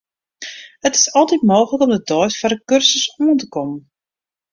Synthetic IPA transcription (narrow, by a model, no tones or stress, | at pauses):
hətɪ̥sɔlˠtitmoːxələkɔmdədɔjsfarəkørsəsuəntəkɔmən